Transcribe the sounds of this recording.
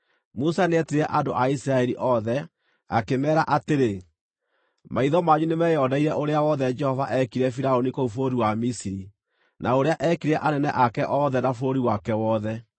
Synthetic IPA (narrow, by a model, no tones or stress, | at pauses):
musanɛteɾɛʔadoʔaisiɾaɛɾiʔɔðɛ | akemɛːɾaʔateɾe | maiðɔmaɲunemɛjɔːdaiɾɛʔoɾeawɔðɛd͡ʒɛhɔvaʔɛkiɾɛfiɾaonikoufoɾiwamisiɾi | nʔaoɾeaʔɛkiɾɛʔanɛnɛ̰ʔakɛʔɔðɛnafoɾiwakɛwɔːðɛ